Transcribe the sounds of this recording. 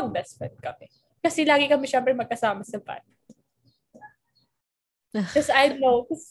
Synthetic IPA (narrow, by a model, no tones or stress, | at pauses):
ɡ̚bɛsfɛt̪̚kɐmɛ | kɐsɛlaːɡɪkɐmɛʃɛmpɾɛmɐɡ̚kɐsaːmɐsɐba̰j | kɐsajnowkɐs